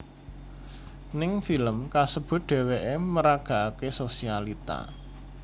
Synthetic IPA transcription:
nɪŋfiləmkasəb̥ʊ̤t̪̚ɖ̪̥e̤weʔeməɾaɡ̥a̤ʔakesosialit̪a̰

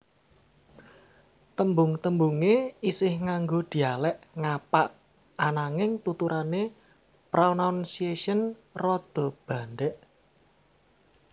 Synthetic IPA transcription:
t̪əmbʊŋt̪əmbuŋeisɪhŋaŋɡod̪̥i̤alɛʔŋapaʔ | anaŋɪŋt̪ut̪uɾane | pɾonansieʃənrɔd̪̥ɔ̤b̥a̤nɖɛʔ

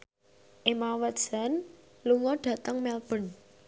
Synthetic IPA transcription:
ʔemawət̪̚sən | luŋɔɖ̥ä̤t̪əŋmɛlb̥ə̤n

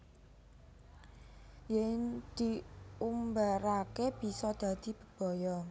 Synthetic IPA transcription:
jɪŋd̪̥iumbaɾakeb̥i̤sɔd̪̥ä̤d̪̥i̤b̥ə̤b̥ɔ̤jɔ

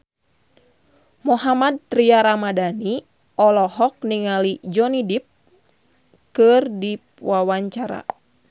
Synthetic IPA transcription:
mɔɦamad̪̚t̪ɾiaɾamadani | ɔlɔɦɔk̚niŋalid͡ʒɔnidip̚ | kɨrdipwawaɲt͡ʃaɾa̰

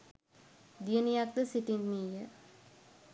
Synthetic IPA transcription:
d̪ijənijak̚d̪əsiʈinmiːjə

